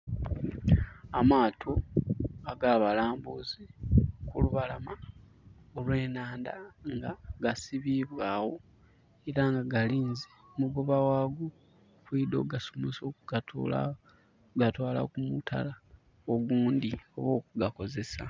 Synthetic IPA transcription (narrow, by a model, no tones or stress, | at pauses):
amaːtʰo̞aɡaːβalaːmbuzikuluβalama | olwe̞ːnaːnda̰ŋɡaɡasiβiβwaːwo̞ | eɾaŋɡaɡaliːnzemuɡoβawaːɡo | kwiːdo̞̰ɡasomosokuɡatola | ɡatwaːla̰kumutʰa̰la | oɡuːndio̞̰βo̞ːk̚uɡako̞ze̞sa̰